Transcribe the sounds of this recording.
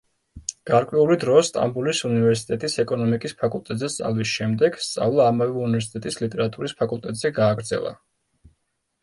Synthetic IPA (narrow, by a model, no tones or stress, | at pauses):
ɡ̥aɾkʼwɛulid̪ɾɔst̪ʼa̰mbulisunivɛɾsi̥t̪ʼɛt̪ʼisɛkʼɔnɔmikʼispʰakʼulˠt̪ʼɛt̪zɛst̪sʼa̰lˠvisʃɛmd̪ɛɡ̥st̪sʼa̰vlˠaːmavɛunivɛɾs̬i̥t̪ʼɛt̪ʼislit̪ʼɛɾat̪ʼuɾispʰakʼulˠt̪ʼɛt̪ʼz̥ɛɡaːɡɾd̪zɛ̰lˠa̰